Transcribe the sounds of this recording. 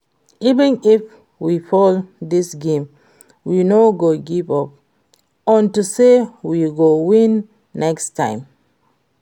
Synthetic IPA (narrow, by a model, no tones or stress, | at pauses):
ivə̃nif | wifɔldisɡẽm | winoɡoɡivɔp̚ | ɔ̃ntusewiɡowĩnː | ɛkstʰã̰ɪ̃m